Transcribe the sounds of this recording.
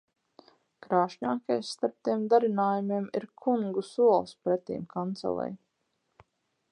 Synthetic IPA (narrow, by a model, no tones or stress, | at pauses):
kɾaːʃɲaːkajsːt̪aɾp̚t̪iɛmd̪aɾinaːjumiɛmiɾkʰuŋɡusuɔlˠspɾɛt̪ḭːmkʰant̪sɛ̰lˠɛ̰j